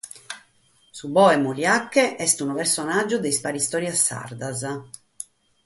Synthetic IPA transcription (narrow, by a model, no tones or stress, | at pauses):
subɔːɛmuljakːɛʔɛst̪unɔpɛɾsɔnad͡ʒːud̪ejspaɾist̪ɔːɾjasːa̰rd̪az